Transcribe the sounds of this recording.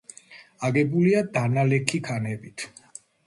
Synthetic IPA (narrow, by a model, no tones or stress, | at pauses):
aɡɛbuliad̪analɛkʰikʰanɛbit̪ʰ